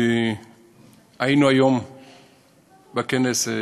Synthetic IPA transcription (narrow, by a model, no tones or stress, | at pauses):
ainuajom | bakenes